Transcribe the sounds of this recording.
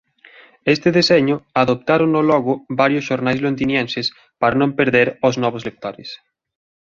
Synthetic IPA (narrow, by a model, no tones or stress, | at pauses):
est̪eðeseɲoaðop̚t̪aɾonːolɔɣobaɾjosʃoɾnajzlond̪injenses | paɾanõmpeɾðeɾoznɔβ̞ozlek̚t̪oɾes